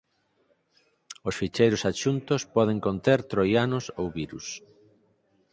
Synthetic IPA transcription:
osfit͡ʃejɾʊsat͡ʃunt̪ospɔð̞eŋkont̪eɾt̪ɾojanosowβiɾus

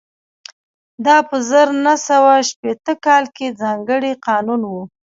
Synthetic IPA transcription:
d̪ɑpəzəɾnasawaʃpet̪əkɑlked͡zɑŋɡəɽiqɑnunwu

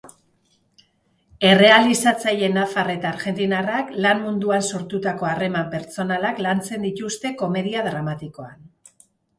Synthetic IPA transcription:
e̞re̞alisat͡saje̞nafare̞t̪aːɾʝe̞nt̪inaraklanmund̪uanso̞ɾt̪ut̪ako̞are̞mampe̞ɾt͡so̞nalaklant͡se̞nd̪it̪ust̪e̞ko̞me̞ðiaðɾamat̪iko̞an

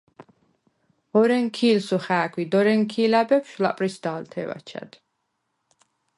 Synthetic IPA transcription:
ɔɾɛŋkʰiːlsuχaːkʰwid̪ɔɾɛŋkʰiːlabɛpʰʃula̰pʼɾisd̪aːlt̪ʰɛ̰va̰t͡ʃʰa̰d̪̥

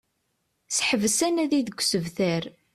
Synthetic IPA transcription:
sħəvəsænæðiðəɡʷsəvθæɾ

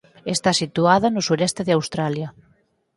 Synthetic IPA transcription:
est̪asit̪uaðɐnʊsuɾɛst̪eðɪawst̪ɾaljɐ

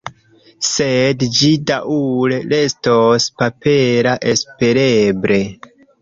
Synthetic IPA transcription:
sedd͡ʒidaʔulele̞stospape̞ɾaʔe̞spe̞ɾebɾe̞

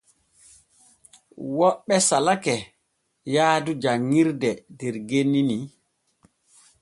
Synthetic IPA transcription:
wɔɓːɛsalakɛ | jaːdud͡ʒaŋːiɾdɛdɛɾɡenːini

